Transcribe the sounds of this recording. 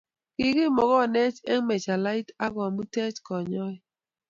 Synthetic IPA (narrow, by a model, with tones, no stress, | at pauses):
ki˨ki˦˨mɔ˨ɣɔ˦˨nɛ˦t͡ʃɛ˦ŋ˦me˨t͡ʃa˨la˦i˦ta˦ka˨mu˦tɛ˦t͡ʃkɔ˨ɲɔ˦i˦